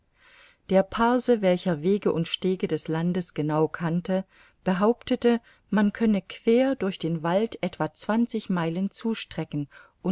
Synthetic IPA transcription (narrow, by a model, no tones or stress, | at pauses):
d̥eːɐpʰaɐzəvɛlçɐveːɡəʔʊntʃteːɡədɛslandəsɡ̥ənaʊkʰantə | b̥əɦaʊptətə | mankʰœnəkʰv̥eːɐdʊɐçd̥eːnvaltʔɛtv̥at͡sv̥ant͡sɪçmaɪlənt͡suːʃtʁ̥ɛkn̩ʔʊ